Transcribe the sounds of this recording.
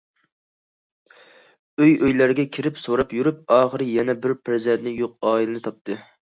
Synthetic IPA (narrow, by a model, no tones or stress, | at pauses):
øjøjlæɾɡʲɛkʲʰiɾɪpsoɾɑpjyɾyp̚ɑːχəɾɨjɛnɛbɪɾpʰæɾzɛnt̪nɪjoq̚ɑːilɨnɨt̪ʰɑp̚t̪ʰɨ